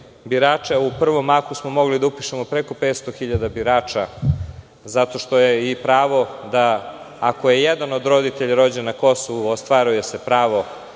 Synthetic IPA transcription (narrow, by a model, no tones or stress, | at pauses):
biɾaːt͡ʃeupr̩ʋo̞makusmo̞mo̞ɡlid̪aupiʃemo̞pɾeko̞pet̪st̪o̞xiʎad̪abiɾaːt͡ʃa | zat̪o̞ʃt̪o̞je̞ipɾaːʋo̞d̪aː | koje̞jed̪ano̞d̪ɾo̞d̪it̪eʎaɾo̞d͡ʑenːako̞soʋuost̪ʋaːɾuje̞sepɾaːʋo̞